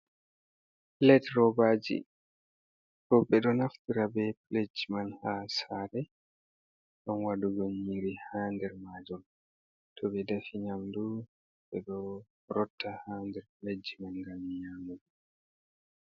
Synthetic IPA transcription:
lɛtɾɔbad͡ʒḭ | kɔbɛɗɔnaftiɾabɛpled͡ʒimanhasaɾɛ | ɗɔnwaduɡɔnɲiɾihandɛɾmad͡ʒɔl | tʰɔbɛdafiɲamdu | bɛɗɔ | ɾɔtːahaːndɛɾpled͡ʒimanŋɡamːijamud

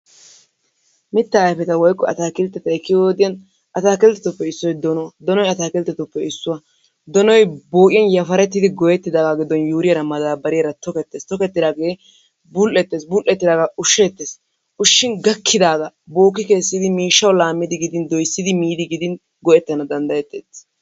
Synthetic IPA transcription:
mɪt̪ːaːjfɛt̪ɐwɔjkːɔɐ̰t̪aːkɪlt̪ːɛt̪ɐɛkːɪjoːd̪ɪjɐn | ʔɐt̪aːkɪlt̪ːɛt̪ʊpːɛɪsːɔjd̪ɔnɔwɐd̪ɔnɔjɐt̪aːkɪlt̪ːɛt̪ʊpːɛɪsːʊwɐ | d̪ɔnɔjboːkʼɪjɐnjɐfɐɾɛt̪ːɪd̪ɪɡɔjɛt̪ːɪd̪aːɡaɡɪd̪ɔnjuːɾɪjɐɾɐmɐd̪aːbɐɾɪjɐɾɐt̪ɔkɛt̪ːeːst̪ɔkɛt̪ːɪd̪aːɡeː | bʊlʔɛt̪ːeːsbʊlʔɛt̪ːɪd̪aːɡɐʊʃːet̪ːeːs | ʊʃːɪnɡɐkʰːɪd̪aːɡɐ | boːkːɪke̞ːsːɪd̪ɪmiːʃːɐwlaːmːɪd̪ɪɡɪd̪ɪnd̪ɔjsːɪd̪ɪmiːd̪ɪɡɪd̪ɪn | ɡɔjɛt̪ːɐnɐd̪ɐnd̪ɐjɛt̪ːeːt͡sː

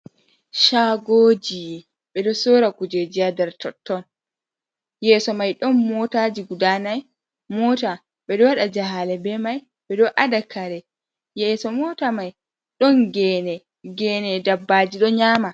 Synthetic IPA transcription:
ʃaɡoːd͡ʒi | ɓɛɗɔsoːɾakud͡ʒed͡ʒiadɛɾtɔtːɔn | jɛːsɔmajɗɔnmɔtad͡ʒiɡudanaj | mɔːta | ɓɛɗɔwaɗad͡ʒaɦalɛbɛmaj | ɓɛɗɔʔadakʰaɾɛ | jɛːsɔmɔːtamaj | ɗɔnɡɛːnɛ | ɡɛːnɛdabːaːd͡ʒiɗɔɲaːma

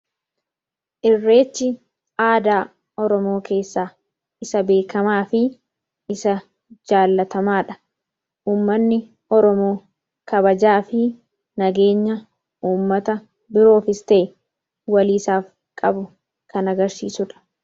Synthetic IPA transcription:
ʔɪrːe̞ːt͡ʃːɪ | aːd̪aː | ɔɾɔmo̞ːke̞ːsːaː | ɪsɐbe̞ːkɐmaːfɪ | ɪsɐ | d͡ʒaːlːɐt̪ɐmaːᶑɐ̥ | ʔuːmːɐnːɪ | ɔɾɔmo̞ː | kɐbɐd͡ʒaːfɪ | nɐɡe̞ːɲːɐ | uːmːɐt̪ɐ | bɪɾo̞ːfɪst̪e | wɐliːsaːf | kʼɐbʊ | kɐnɐɡɐɾsḭːsʊᶑɐ̥

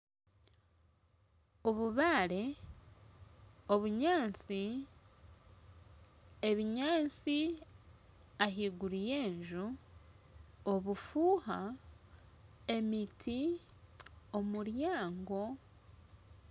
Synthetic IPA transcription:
o̞βuβaːɾe̞ | o̞βuɲaːnt͡si | e̞βiɲaːnt͡si | aɦiɡuɾije̞ːɲʒu | oβufuːha | e̞mitʰi | o̞muɾjaːŋɡo̞

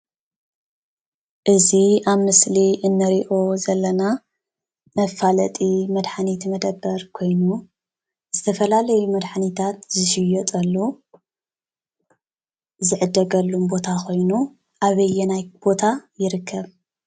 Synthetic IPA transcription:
ʔɨziaβmɨsliʔɨnːɨɾiʔo̞zɐlːɐna | mɐfalɐ̰t̪ʼimɐd̪ħanit̪mɐd̪ɐbːɐɾkʰo̞jnu | z̥ɨt̪ʰɐfɐlalɐjumɐd̪ħanit̪ʰat̪zɨʃɪjɔt̪ʼɐlːu | zɨʕɨd̪ɐɡɐlːumbo̞t̪ʰakʰo̞jnu | ʔaβɐjːɛnajb̥o̞t̪ʰajɪɾɨkʰːɐβ

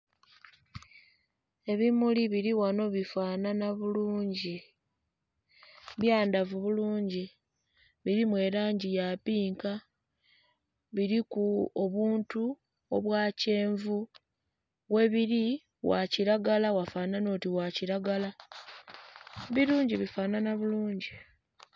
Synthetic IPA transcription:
e̞βimuliβiɾiwano̞βifaːnanaβuluːɲɟi | βjaːndavuβuluːɲɟi | βiɾimwe̞ɾaːɲɟijapiːŋka | βiɾikuoβuːntu | o̞̰βwaːce̞ːɱvu | we̞βiɾi | wa̰ciɾaɡalawafaːnano̞ːtiwaciɾaɡala | βiɾuːɲɟiβifaːnanaβuluːɲɟi

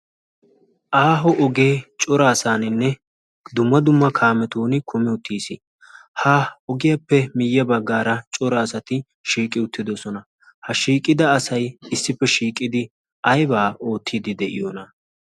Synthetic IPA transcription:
ʔaːɦɔʔɔɡe̞ːt͡ʃʼɔɾaːsaːnɪnːɛ | d̪ʊmːɐd̪ʊmːɐkʰaːmɛt̪oːnɪkʰʊmɪʊt̪ʰːiːsɪ | haːɔɡɪjɐpːɛmɪjːɐbɐɡːaːɾɐt͡ʃʼɔɾaːsɐt̪ɪ | ʃiːkʼːɪʊt̪ːɪd̪ɔsɔnɐ | hɐʃiːkʼːɪd̪ɐːsɐjɪsːɪpːɛʃiːkʼːɪd̪ɪ | ʔɐjbaːʔo̞ːt̪ʰːiːd̪ɪd̪ɛʔɪ̰jonɐ

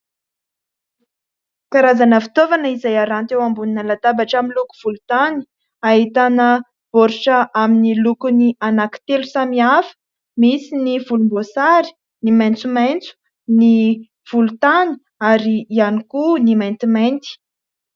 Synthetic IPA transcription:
kaɾazanəfi̥t̪ovanəizajaɾant̪ewambuninalat̪abaʈ͡ʂaminluku̥v̥ulut̪ani̥ | aɦit̪anə | b̥oɾiʈ͡ʂəʔaminilukunianaki̥t̪elusamiafə̥ | misinivulumbosaɾi̥ | nimajnt͡sumajnt͡su̥ | ni | v̥ulut̪ani̥ | aɾiianikunimajnt̪imajnt̪i̥

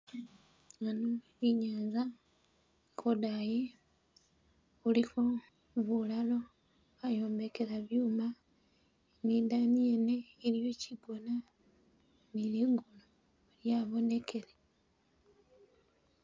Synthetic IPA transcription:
ŋano | iɲaːnza | kodaje | ulixo̞ | βulalo̞ | ajo̞ːmbe̞ke̞ɾaβjuːma | nid̪aniene̞ːlijo̞cibo̞na | niliŋɡulo | ljaβo̞ne̞kʰe̞le

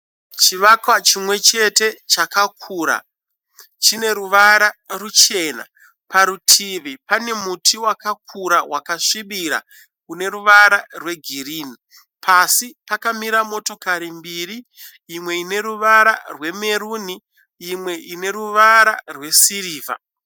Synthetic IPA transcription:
t͡ʃiʋakwat͡ʃimwe̞t͡ʃe̞te̞t͡ʃakakʰuːɾa̰ | t͡ʃine̞ɾuʋaɾarut͡ʃe̞ːna̰ | paɾutʰiʋipane̞mutʰiwakak̚ʰuɾawakaʂiɓiɾa̰ | kune̞ɾuʋaɾarwe̞ɡʱiriːni | pʰasipakamiɾamo̞to̞kaɾimbiɾiː | mwe̞ine̞ɾuʋaɾarwe̞me̞ɾuːni | imwe̞ʔine̞ɾuʋaɾarwe̞siɾiːva̰

